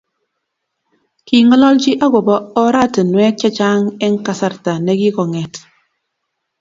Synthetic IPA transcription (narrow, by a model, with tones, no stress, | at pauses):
ki˨ŋɔ˦lɔ˦ld͡ʒi˦ʔa˦ɡo˨bɔ˦ɔ˦ɾa˦˨tə˨nwɛ˦t͡ʃa˦t͡ʃa˦ŋɛ˦ŋ̩˦ka˦sa˦ɾta˨nɛ˦ki˦kɔ˨ŋɛ˨t